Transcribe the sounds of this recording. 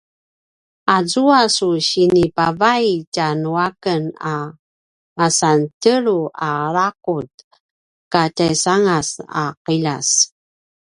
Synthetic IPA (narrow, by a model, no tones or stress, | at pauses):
azuasuɕinipavajcanuakəna | masantəɾuaɾakut | katajsaŋasa̰qilas